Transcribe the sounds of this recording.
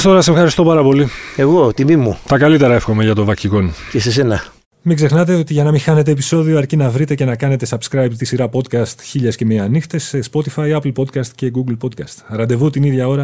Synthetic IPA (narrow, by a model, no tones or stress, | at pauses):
st̪oɾɐsefxɐɾist̪o̞pɐɾɐpo̞lie̞ɣo̞t̪imimut̪ɐkɐlit̪e̞ɾɐefxo̞me̞ʝɐt̪o̞vɐciko̞nceses̬e̞nɐ | miɡze̞xnɐt̪e̞o̞t̪iʝɐnɐmixɐne̞t̪e̞ːpiso̞ðioɐɾcinɐvɾit̪e̞ce̞nɐkɐne̞t̪e̞sɐbskɾɐjbt̪isiɾɐpo̞d̪̚kɐst̪çiʎɐsce̞miɐnixt̪esespo̞t̪ifɐiɐplpo̞d̪̚kɐst̪ce̞ɡuɡlpo̞d̪̚kɐst̪ɐɾɐnd̪e̞vut̪iniðʝɐo̞ɾɐ